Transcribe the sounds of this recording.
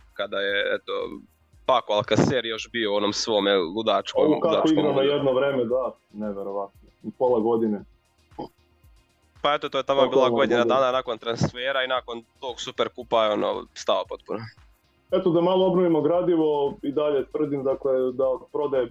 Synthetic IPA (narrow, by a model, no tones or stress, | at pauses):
kad̪ajeḛt̪o̰ | pakoalˠkaseːɾjo̞ʃbioo̞no̞ːmsʋo̞mellud̪aːt͡ʃkoukak̪aoiɡɡɾamojed̪noʋɾeːmed̪a | neʋeɾoʋat̪nopolˠaɡo̞d̪ine | paet̪ot̪ojet̪amoiːlˠaɡod̪nad̪ad̪anako̞nt̪ɾansfeːɾainako̞nt̪oːɡsupeɾkupajeo̞no̰st̪alopo̞t̪̚puna | et̪od̪amalˠoobnoʋimoɡɾaːd̪iʋoid̪aʎet̪ʋr̩d̪imd̪akled̪apɾod̪aje